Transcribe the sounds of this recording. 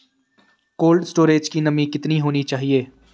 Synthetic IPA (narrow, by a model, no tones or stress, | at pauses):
koːlɖsʈoːɾeːd͡ʒkinɐmĩkɪt̪niɦoːnit͡ʃaːɦieː